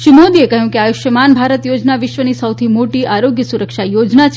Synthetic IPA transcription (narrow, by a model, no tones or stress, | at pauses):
ʃimod̪iekəɦjũkeajuʃjəmanbʱaɾət̪jod͡ʒnaʋɪʃʋənisəwt̪ʰimoʈiʔaɾoɡjəsuɾəkʃajod͡ʒnat͡ʃʰ